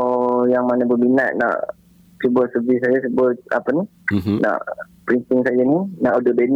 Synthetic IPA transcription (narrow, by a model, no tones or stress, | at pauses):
jaŋmanabəminaʔ̪̚na̰ʔ | subəsəvisajasəbəa̰pəni | na̰ʔ | pɾint̪iŋsajaninaʔudəben